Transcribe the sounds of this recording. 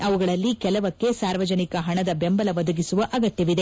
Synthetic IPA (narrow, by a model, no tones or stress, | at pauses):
ɐʋuɡɐɭɐlːikɛlɐʋɐkːe̞saːɾʋɐd͡ʒɐnikɐɦɐɳɐd̪ɐbɛmbɐlɐʋɐd̪ɐɡisuʋɐʔɐɡɐt̪jɐʋid̪e̞